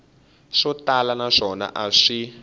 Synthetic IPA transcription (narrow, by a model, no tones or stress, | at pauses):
ʂɔtalanaʂɔna̰ʔaʂi